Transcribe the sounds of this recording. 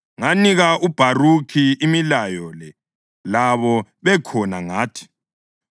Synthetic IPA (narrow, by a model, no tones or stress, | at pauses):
ŋaniɣaʔub̥ʱarukʰiimilajɔlɛ | laβɔβɛkʰɔnaŋaːtʰi̥